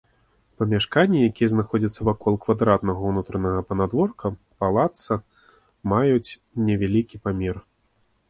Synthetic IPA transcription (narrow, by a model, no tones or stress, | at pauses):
pɐmʲaʂkanʲːijakʲijɛznaxɔd͡zʲɐt̪sːɐvakɔlˠkvad̪ɾat̪nɐɣɐwnut̪ɾɐnɐɣɐpɐnad̪vɔrkɐ | palˠat̪sɐ | majut͡sʲ | nʲɛvʲalʲikʲipamʲɛr